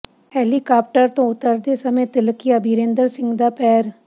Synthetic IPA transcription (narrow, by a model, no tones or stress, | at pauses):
hɛːlikaːp̚ʈəɾt̪õʊt̪əɾd̪esɐmet̪ɪlkiɐbʱiːɾẽːnd̪əɾsɪ̃ŋɡd̪apɛːɾ